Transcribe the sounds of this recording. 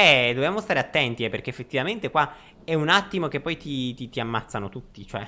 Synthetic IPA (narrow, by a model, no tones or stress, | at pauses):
ɛd̪objamost̪aːɾeat̪ːɛnt̪iɛperk̟eːfːet̪ːivament̪ekwa | ɛunat̪ːimok̟epːɔjt̪it̪it̪iamːat̪sːanot̪ut̪ːit͡ʃoɛ